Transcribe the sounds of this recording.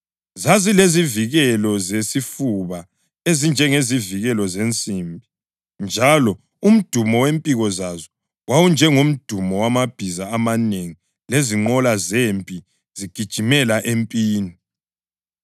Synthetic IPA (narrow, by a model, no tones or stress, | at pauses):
zazileziviɣɛlɔzesifuβa | ezind͡ʒʱɛŋeziviɣɛlɔzent͡sʼimbʱi | nd͡ʒʱalɔ | um̩d̥ʱumɔwempʼiɣɔzazɔ | wawund͡ʒʱɛŋom̩d̥ʱumɔwamab̥ʱizaːmaneŋi | leziŋ͡ǃɔlazempʼi | z̥iɡ̥ʱid̥ʒ̥ʱimɛlaʔempʼiːni